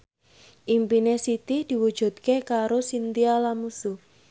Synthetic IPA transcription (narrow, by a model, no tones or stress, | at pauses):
ʔimpinesit̪ɪd̪̥i̤wud̥ʒ̥ṳt̪̚kekaɾosint̪ialamusu